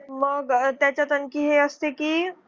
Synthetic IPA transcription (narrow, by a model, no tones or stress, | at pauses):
məɡt̪ɛ̃t͡ʃat̪ənkiɦeəst̪eki